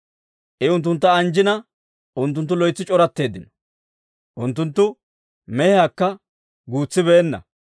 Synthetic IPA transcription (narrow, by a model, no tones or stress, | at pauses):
ʔɛʊnt̪ːʊnt̪ːɐːnd͡ʒɪnɐ | ʔʊnt̪ːʊnt̪̬ːʊlɔjt͡sːɪt͡ʃʼɔɾɐt̪ːe̞ːd̪ɪnɔ̥ | ʔʊnt̪̬ːʊnt̪ːʊ | mɛhɪakːɐ | ɡuːt͡sːɪbeːnːɐ̰